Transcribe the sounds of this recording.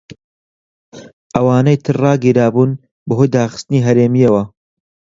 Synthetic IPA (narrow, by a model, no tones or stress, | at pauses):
ʔɐwaːnɐjt̪ʰɨrrɑːɡiːɾaːbuːn | bɐɦojd̪aːxɨ̥st̪ɨniːɦɐɾeːmijɐwɐ